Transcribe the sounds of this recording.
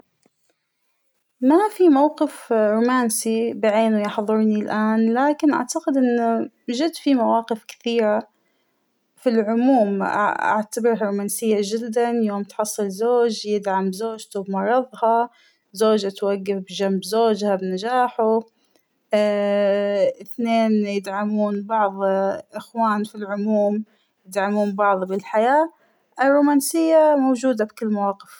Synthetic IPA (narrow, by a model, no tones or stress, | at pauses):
mafimawqɪfɾuːmaːnsibɪʕeːnʊjɪħðˤɨɾnilʔaːnlaːkɪnʔa̰ʕt̪aqɪd̪ʔɪnːʊ | ʒɪd̪fimawaːqɪfkɪ̥θiːɾa | filʕʊmuːm̰ʔa̰ʕt̪abɪɾhaɾˤuːmaːnsɪjːad͡ʒɪd̪ːanjoːmt̪ħɑsˤːɨlzoːd͡ʒjɪd̪ʕamzoːd͡ʒt̪ubmɑɾˤɑðˤhɑ | zoːd͡ʒʔat̪waɡːafbd͡ʒambzoːd͡ʒhabnad͡ʒaːħu | ɪθneːnjɪd̪ʕamuːnbɑʕðˤʔɪxwaːnfilʕʊmuːm | jɪd̪ʕamuːnbɑʕðˤbɪlħajaː | ʔɪrːuːmaːnsɪjːamoːd͡ʒuːd̪abkɪlːmawɑːqɪf